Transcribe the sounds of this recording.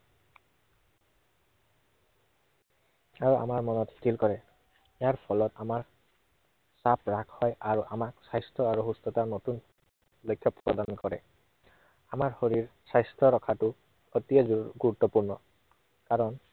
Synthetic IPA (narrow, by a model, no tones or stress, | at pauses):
aɹua̰maɹmɔnɔttʰilkɔɹɛ | ejaɹpʰɔlɔtamaɹ | sapɹakʰhɔjaɹuʔamaksajstʰɔaɹuɦustɔtanotun | lojkʰːjɔpɹɔ̰dankɔɹɛ̰ | amaɹhoɹiɹsajstʰɹɔɹɔkʰatu | ɔtiaɡuɹut̪ːɔpuɹnɔ | kaɹɔn